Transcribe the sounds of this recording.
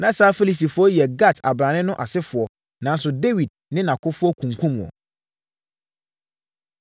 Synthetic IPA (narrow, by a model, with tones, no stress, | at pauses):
nã˨˦saː˦fe˦li˨s̬i˨fʊ˦ɔ˦jɛ˨ɡa˦˨tʰa˨bɾã˨nɪ̃˦nʊ̃˦ʔa˨sɪ˦fʊ˨ɔ˦ | nã˨n˦sʊ˨de˦wi˨d̚nɪ̃˦nã˨kʰʊ˦fʊ˦ɔ˦kʰũ˨ŋ˨kʰũ˦m̃˨ɔ̰˨